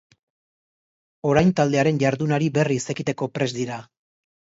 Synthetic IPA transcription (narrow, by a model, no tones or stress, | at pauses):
o̞ɾajnt̪ald̪e̞aɾe̞nʝaɾðunaɾibe̞rise̞kit̪e̞ko̞pɾe̞zd̪iɾa